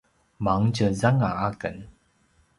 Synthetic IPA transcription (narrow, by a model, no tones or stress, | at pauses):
maŋt͡ɕəzaŋaakə̰n